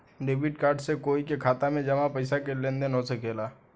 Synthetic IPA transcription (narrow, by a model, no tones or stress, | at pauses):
ɖeːbɪʈkaːɾɖsekoːikekʰaːt̪amẽd͡ʒɐmapɐɪsakelẽnd̪enɦosekeːlaː